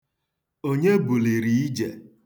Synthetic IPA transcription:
o˦ɲe˦bu˨li˨ɾi˨i˦d͡ʒe˨

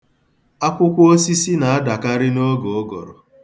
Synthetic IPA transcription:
a˦kʷʊ˦kʷʊ˦o˦si˦si˦na˨a˦da˨ka˦ɾɪ˦no˦ɡo˨o˦ɡɔ̰˨ɾɔ̰˨

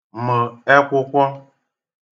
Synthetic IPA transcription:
mə˨ɛ˦kʷo˦kʷɔ˦

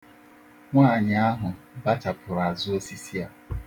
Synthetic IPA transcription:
ŋʷaː˦˨ɲɪ˨a˦ɦʊ˨ | ba˦ta˨pʰʊ˨ɾa˨zʊ˦o˦si˦si˦a˦

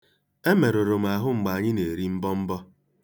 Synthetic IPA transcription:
e˦me˨ɾo˨ɾo˨m̩˨a˨ɦʊ˦ŋ͡m̩˨ɡ͡ba˨a˨ɲɪ˦ne˨ɾi˦m̩˦bɔ˦m̩˦bɔ˦

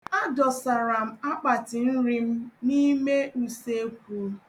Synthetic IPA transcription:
a˦dɔ˨sa˨ɾa˨m̩˨a˦k͡pa˨tɪ˨n̩˦ɾi˦m̩˦ni˦me˦ʔu˦se˦kʷu˨˦

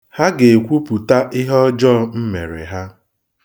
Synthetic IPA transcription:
ha˦ɡe˨kʷu˦pu˨ta˦ʔɪ˦ɦɔ˦d͡ʒɔ˦m̩˦me˨ɾḛ˨ɦa˦

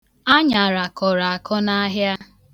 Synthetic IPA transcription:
a˦ɲa˨ɾa˨kɔ˨ɾa˨a˨kʰɔ˦na˦ɦja˦

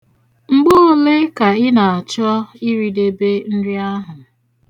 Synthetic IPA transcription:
ŋ͡m̩˦ɡ͡bo˦o˦le˦ka˨ɪ˦na˨a˨t͡ʃɔ˦i˦ɾi˦de˦be˦n̩˦dɪ˦a˦ɦʊ˨

